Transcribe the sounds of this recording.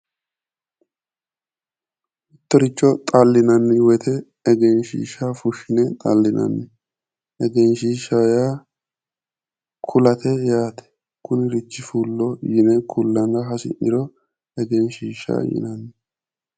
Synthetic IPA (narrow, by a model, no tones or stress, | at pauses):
ʊt̪ːɔɾɪt͡ʃːɔt̪ʼaːlːɪnɐnːɪwɛt̪ʰɛ | ɛɡɛnʃḭːʃafʊʃːɪnɛt̪ʼalːɪnɐ̰nːɛ | ɛɡɛnʃiːʃaja | kʰʊlɐt̪ɛjaːt̪ɛ̥ | kʰʊnɪɾɪt͡ʃːɪfuːlːɔjɪnɛkʰʊlːɐnɐɦɐsɪ̰ʔɪ̰ɾɔ | ɛɡɛnʃiːʃa̰jɪ̰nɐnːɛ